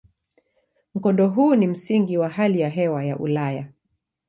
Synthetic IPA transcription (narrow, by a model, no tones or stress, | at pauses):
m̩kɔndɔɦuːnim̩siŋɡiwaɦalijaɦɛwajaʔṵlaja